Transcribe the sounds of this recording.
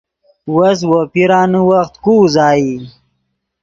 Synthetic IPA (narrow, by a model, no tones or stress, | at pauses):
wɐs̬wopiɾaːnəwaxt̪kuːzaːi